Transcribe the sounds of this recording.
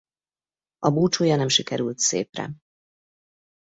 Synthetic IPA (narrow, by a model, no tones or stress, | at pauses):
ɒbuːt͡ʃoːjɒnɛmʃikɛɾylt̪sḛːprɛ̰